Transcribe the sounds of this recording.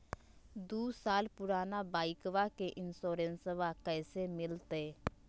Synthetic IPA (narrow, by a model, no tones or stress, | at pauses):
d̪uːsaːlpʊɾaːnaːbaːɪkʋaːkeʔɪnsoːɾensəʋaːkɛːseːmɪlt̪eː